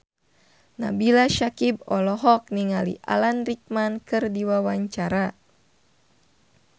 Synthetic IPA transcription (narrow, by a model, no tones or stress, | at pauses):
nabilaʃakib̚ɔlɔɦɔk̚niŋalḭʔa̰lanrik̚mankɨrdiwawaɲt͡ʃaɾa